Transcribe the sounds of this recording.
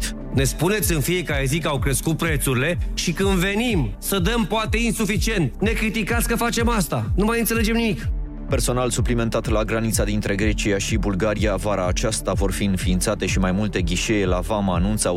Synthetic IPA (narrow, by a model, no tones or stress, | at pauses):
ne̞spune̞t̪sʲɨnfije̞kaɾe̞zikəawkɾe̞skut̪̚pɾe̞t̪suɾile̞ʃikɨnd̪ve̞nimsəd̪əmpoat̪e̞insufit͡ʃie̞nt̪ne̞kɾit̪ikat̪sʲkəfat͡ʃe̞mast̪anumajɨnt̪sele̞d͡ʒe̞mnimik | pe̞rso̞nalsuplime̞nt̪at̪laɡɾanit̪sad̪int̪ɾe̞ɡɾe̞t͡ʃijaʃibulɡaɾiavaɾaːt͡ʃast̪avo̞rfiɨnfiːnt̪sat̪e̞ʃimajmult̪e̞ɡʲiʃe̞jelavamaːnunt̪sa